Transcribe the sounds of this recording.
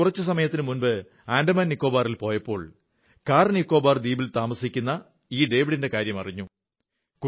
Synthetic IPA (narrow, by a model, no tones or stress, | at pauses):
urɐt͡ɕːɨs̬ɐmɐjɐt̪ːinɨmunbɨ | aːndɐmaːnnːikːo̞ːbaːrilpo̞ːjɐpːo̞ːɭ | kaːrnikːo̞ːbaːrd̪iːbilt̪aːmɐsikʲːunːɐ | iːɖe̞ːʋiɽindekaːɾjɐmɐ̰riɲːu | ku